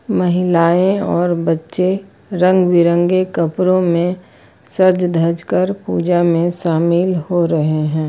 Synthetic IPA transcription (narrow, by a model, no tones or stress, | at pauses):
məɦɪlaːẽɔːɾbɐtːʃe | ɾə̃ŋɡwɪɾə̃ŋɡekɐpɾõmẽ | səɾd͡ʒd̪ʱəɾd͡ʒkəɾpṵːd͡ʒamẽʃaːmɪlhoɾɐɦeɦɛ̃ː